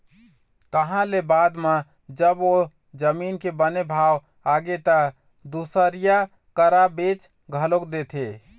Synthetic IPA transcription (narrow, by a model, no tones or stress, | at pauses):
k̪əɦãlebad̪me | d͡ʒəbo | d͡ʒəminkebənebʱaw | aɡet̪ə | d̪usəɾija | kəɾabet͡ʃ | ɡʱəlokd̪et̪ʰe